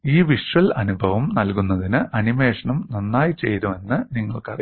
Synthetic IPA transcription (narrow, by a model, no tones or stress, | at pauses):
iːʋiʂrɐlɐnubʱɐʋɐmnɐlkunːɐðinɨʔɐnimeːʂɐɳɐmnonːaːjit͡ɕe̞̰jt̪ume̞nːɨniŋːɐɭkɐri